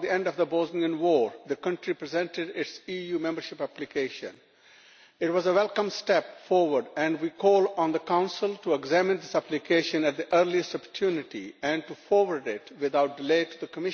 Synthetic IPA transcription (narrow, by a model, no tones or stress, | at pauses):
d̪iɛ̃ɳɖɔvd̪əbozniə̃nwɔːɾd̪əkʌ̃ɳʈɾipɾɛzɛ̃ɳʈɪɖɪʈsijuːmɛ̃mbəɾʃɪpæplikeɪʃə̰̃n | ɪʈwɔzəwɛlˠkə̃msʈɛpfɔːɾwəɾɖɛ̃ɳɖwiːkʰɔːlɔ̃nd̪əkãʊ̃nsɪlʈuɛɡzæmɪ̃nd̪ɪsæplɪkeːʃə̃næʈ̚d̪iʔəɾliɨsʈɔpəʈʰjunɪʈḭæ̃ɳɖʈufɔːɾwəɾɖɪʈwɪd̪aʊʈ̚ɖɪleɪʈud̪əkəmɪʃ